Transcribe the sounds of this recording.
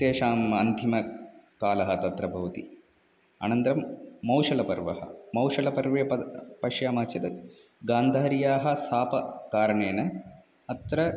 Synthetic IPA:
t̪eːʃaːmɐnt̪ʰimɐkaːlɐɦɐt̪ɐt̪ɾɐbʱɐʋɐt̪ḭ | a̰nɐnt̪ɾɐmːɐwʂɐlɐpɐɾʋɐ̰ɦɐ̰mɐwʂɐlɐpɐɾʋeːɐpɐʃjaːmaːt͡ʃʰɐt̪ɐ | ɡaːnd̪ʱaːɐɾijaːɦɐ̆saːpɐkaːɾɐɳeːnɐ | ɐt̪ɾɐ

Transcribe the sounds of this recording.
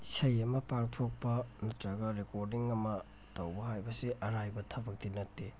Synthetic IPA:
sɐjɐmɐpaŋtʰok̚pɐnɐtɾɐɡɐɾekoɾdiŋɐmɐ | tɐwbɐɦajbɐsiʔɐɾajbɐtʰɐbɐk̚dinɐtːi

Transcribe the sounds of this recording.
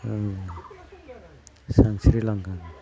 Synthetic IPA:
sansɾilaŋkan

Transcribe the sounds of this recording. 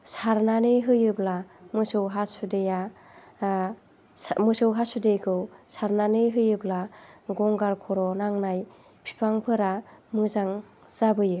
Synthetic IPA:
saɾnanɯjɦɯjɯblamɯsɯwɦasudeja | mɯsɯwɦasudejkʰɯwsaɾnanɯjɦɯjɯblaɡɔŋɡaɾkʰɔɾɔnaŋnaj | pʰi̥pʰaŋpʰɯɾamɯzaŋ | z̥abɯjɯ

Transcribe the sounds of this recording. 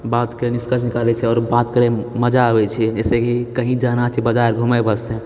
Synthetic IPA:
bat̪kəɾeniskət͡ʃʰnikalɛt͡ʃʰɛɔːɾbat̪kəɾɛməd͡ʒaəbɛt͡ʃʰɛesekikəɦĩd͡ʒanat͡ʃʰibəd͡ʒaɾɡʱuməjbəst̪ɛ

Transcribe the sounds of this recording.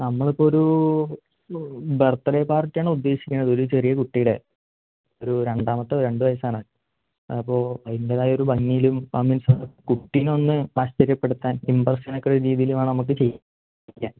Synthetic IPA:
nɐmːɐɭipːoːoɾu | bert̪ːɐɾeːpaːrtːɨjaːɳɨud̪ːe̞ːɕi̥kʲːuɳːɐðɨo̞ɾut͡ɕe̞rijɐkuʈːijiɽe | oɾuɾe̞ɳɖaːmɐt̪ːɨɾe̞ɳɖɨʋɐjɐsaːɳa | ɐpːo̞ːɭɐjindeðaːjo̞ɾubɐŋːijilumpaminsakuʈːinonːɨmaːɕt͡ɕɐɾjɐpːe̞ɽut̪ːaːnimbɐrsɐnokːɐoɾuɾiːðijilumaːɳɨnɐmuk̬ːɨt͡ɕe̞j | ikʲːa̰n

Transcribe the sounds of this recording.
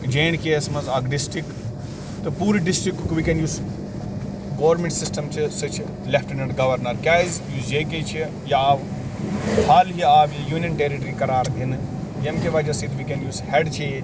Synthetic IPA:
d͡ʒeːɳkeɐsmɐzaɡɖɪsʈɾik | t̪ɐpuːɾiɖɪsʈɾikkʋikenjuːz | ɡoːʋɾmẽɳʈsɪsʈɐmt͡ʃʰisɐt͡ʃʰ | lɛfʰʈɐnɐɳɖɡɐʋɐɾnɐɾkʲaːizjuːzd͡ʒeːket͡ʃʰi | jaːʋ | haːlɦiaːʋjijuːnjɐnʈeːɾiʈɐɾikɐɾaːɾb̪ʱin | jɐnkeʋɐd͡ʒɐsit̪ʰʋikenjuːshɛɖt͡ʃʰe

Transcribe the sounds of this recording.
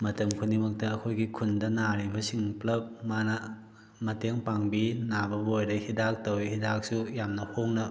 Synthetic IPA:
mɐtɐmkʰunimɐk̚tɐːkʰojɡikʰundɐnaɾibɐsiŋplɐp̚manɐ | mɐteŋpaŋbinabɐbojɾɐhidak̚tɐwihidak̚sujamnɐhoŋnɐ

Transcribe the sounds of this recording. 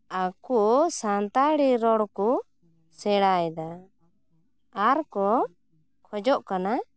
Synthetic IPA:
akuʔsant̪aɽiɾɔɽku | sɛɽajd̪a | aɾkɔ | kʰɔd͡ʒɔʔkana

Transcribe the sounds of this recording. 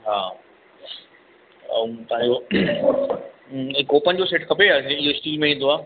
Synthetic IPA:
ɦaː | t̪ɐɦãɲd͡ʑo | ɪkoːpənd͡ʑoseːʈkʰɐpeaɪɦosʈiːlmẽĩːn̆d̪oaː

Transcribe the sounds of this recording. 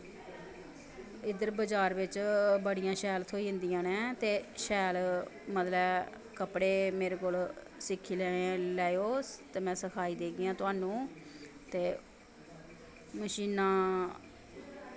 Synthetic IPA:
ɪd̪əɾbəd͡ʒaːɾʋɪt͡ʃbəɽɪjãːʃɛːlt̪ʰoːiːɦɪ̃nd̪ijãːnɛ̃ːt̪eːʃɛːlmət̪lɛː | kəpɽeːmeːɾeːkoːl | sɪkʰːiːlɛlɛːjoːt̪eːmɛ̃ːsəkʰaːiːd̪eːɡɪjãːt̪ʊaːnũːt̪eː | məʃiːnãː

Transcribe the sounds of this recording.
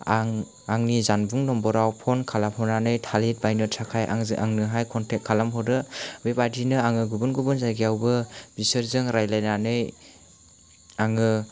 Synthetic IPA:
aŋ | aŋnizanbuŋnɔmbɔɾawpʰɔnkʰalamhɔnanɯjtʰalet̚bajnɯtʰakʰajʔa̰ŋʔa̰ŋnɯɦajkʰɔntʰekʰːalamɦɔdɯbepadinɯaŋɯɡubunɡubunzajɡijawbɯb̥isɯɾzɯŋɾajlajnanɯj | aŋɯ

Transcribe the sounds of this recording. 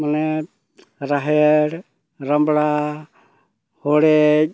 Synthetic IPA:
manɛ | ɾaɦɛɽ | ɾambɽa | hɔɽɛc̚

